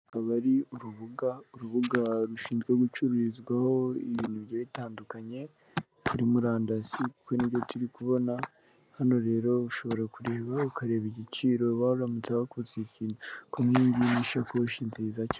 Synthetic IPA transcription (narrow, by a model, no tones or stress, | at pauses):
kaβaɾiuɾuβuɡauɾuβuɡaɾuʃiːnzɡwe̞ɡut͡ʃuɾuɾizɡwaho̞iβiːnuβɟoβitaːndukaɲe̞ | kuɾimuɾaːndasiku̥ko̞niβɟo̞tuɾikuβo̞na | hano̞ɾe̞ːɾo̞uʃo̞βo̞ɾakuɾe̞ːβaukaɾe̞ːβiɟit͡ʃiːɾo̞βauɾamut͡saβakuzeciːnukomhiːɲɟiniʃakouʃinziːzaci̥